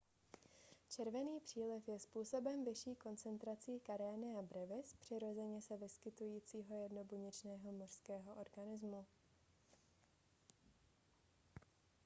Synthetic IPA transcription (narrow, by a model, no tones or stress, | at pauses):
t͡ʃɛɾvɛniːpr̝̥iːlɪfjɛspuːso̞bɛmvɪʃiːko̞nt͡sɛnt̪ɾat͡siːkaɾɛːnɪabɾɛvɪspr̥ɪɾo̞zɛɲɛsɛvɪskɪt̪ujiːt͡siːɦo̞jɛdno̞buɲɪt͡ʃnɛːɦo̞mor̥skɛːɦo̞ʔoɾɡanɪzmu